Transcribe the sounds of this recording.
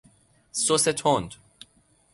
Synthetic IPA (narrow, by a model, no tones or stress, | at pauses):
soset̪ʰond̪